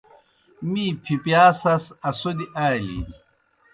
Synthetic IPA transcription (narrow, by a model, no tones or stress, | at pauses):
mipʰipjaːsɐsɐsod̪iʔaːlḭ